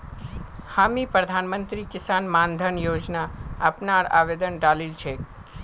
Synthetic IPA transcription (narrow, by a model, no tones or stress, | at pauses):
haːmipɾəd̪ʱanmənt̪ɾikɪsaːnmand̪ʱənjoːd͡ʒnaəpnaɾa̰ːʋeːd̪ənɖalilt͡ʃʰek